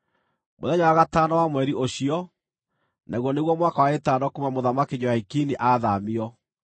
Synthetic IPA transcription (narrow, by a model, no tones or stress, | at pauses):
mo̰ðɛɲawaɣatanawamwɛɾiʔoɕiɔ | nʔaɣwɔneɣwɔmwakawaetaːnɔkumamoðamakeɲɔhaikiniʔaðamiɔ